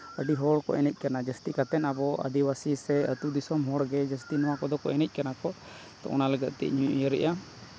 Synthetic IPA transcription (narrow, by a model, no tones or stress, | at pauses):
əɖiɦɔɽkɔ̰ʔɛnəc̚ˀkanad͡ʒəst̪ikat̪ɛnabɔə̰d̪iwasisɛət̪ud̪isɔmɦɔɽɡɛd͡ʒəst̪inɔwakɔd̪ɔkɔʔɛnəc̚ˀkanakɔ | t̪ɔ̰ʔɔ̰naləɡət̪̚t̪ɛ̰ʔɲuuʔjəɾɛ̰ʔa